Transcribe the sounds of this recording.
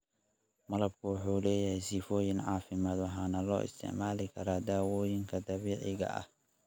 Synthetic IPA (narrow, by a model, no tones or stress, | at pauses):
mɐlɐb̚kʰʊwɑħuːlɛːjɐhɛjsiːfɔːjɪnʕɑːfɪmaːd̪wɑħaːnɐlɔ̰ːʔɪ̰st̪ʰɪ̰ʕmaːlɪkʰɐɾaːd̪aːwɔːjɪŋkʰɐd̪ɐβiːʕɪɣɐ̰ʔɐ̰h